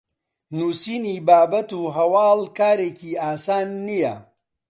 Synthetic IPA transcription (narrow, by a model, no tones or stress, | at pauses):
nuːsiːniːbaːbɐt̪uːɦɐwaːlkaːɾeːkiaːsaːnːijɐ̰